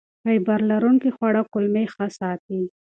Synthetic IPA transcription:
ajbaɾlaɾuŋkixwaɽakʊlmexasɑt̪i

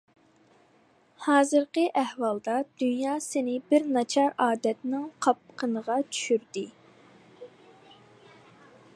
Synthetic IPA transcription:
hɑːzɨɾqəʔæhwɑlˠd̪ɑd̪ynjɑːsɪnɪbɪɾnɑt͡ʃʰɑɾɑːd̪ɛt̪nɪŋqʰɑp̚qʰənəʁɑt͡ʃʰy̥ʃyɾd̪ɪ

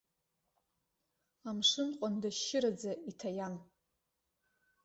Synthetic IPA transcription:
amʂɨnqʷʼandaʃːɪɾad͡zaitʰajan

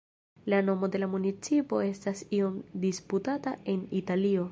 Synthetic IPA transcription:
lano̞mo̞de̞lamunit͡sipo̞e̞stasio̞mdisputatae̞nitalio̞

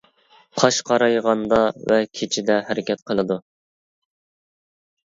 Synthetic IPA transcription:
qʰɑʃqʰɑɾɑjʁɑnd̪ɑvɛkʲʰet͡ʃʰɪd̪ɛhæɾɪkʲʰɛt̪̚qʰəlˠɨd̪u

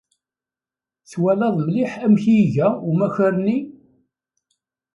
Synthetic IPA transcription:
θwælɑðˤmliħæmçiʝæumæçəɾni

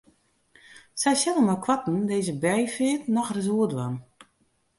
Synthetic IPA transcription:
sɛjsɛləmɔjkʰwatn̩deːzəbɛjfɪːtnɔxrəs̬uədwan

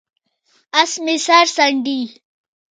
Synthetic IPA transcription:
ɐsmisaɾsɐɳɖi

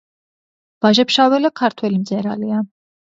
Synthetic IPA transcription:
v̥aʒɛpʃavɛlakʰaɾt̪ʰwɛlimd̪zɛɾalia

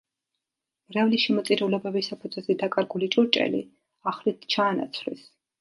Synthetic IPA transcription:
mɾavliʃɛmɔt̪sʼiɾɛulɛbɛbisapʰud̪zvɛzɛd̪akʼaɾɡulit͡ʃʼuɾt͡ʃʼɛ̰lḭ | aχlit̪ʰt͡ʃʰaːna̰t̪sʰlḭs

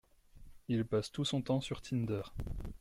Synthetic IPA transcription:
ilpast̪usɔ̃t̪ɑ̃syʁt̪ʰind̪œʁ

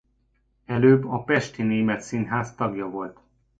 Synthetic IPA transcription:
ɛløːbːɒpɛʃt̪ineːmɛt̪sinɦaːst̪ɒɡjɒvo̞lt̪

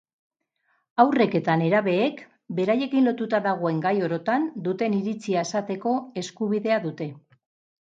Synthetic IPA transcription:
awre̞ke̞t̪ane̞ɾaβe̞ːk | be̞ɾaje̞kinlo̞t̪ut̪aðaɣ̞o̞e̞ŋɡajo̞ɾo̞t̪and̪ut̪e̞niɾit͡siae̞sat̪e̞ko̞e̞skuβiðe̞aðut̪e̞

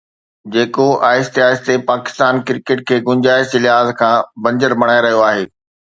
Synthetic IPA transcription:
d͡ʑeːkoaːɪst̪iaːɪst̪epaːkɪ̥st̪aːnkɪɾkeʈkʰeːɡʊ̃ɲd͡ʑaːɪsɪlɪɦaːzkʰãːbɐ̃ɲd͡ʑəɾbʱɐɽ̃aːeɾɐɦijoaːɦeː

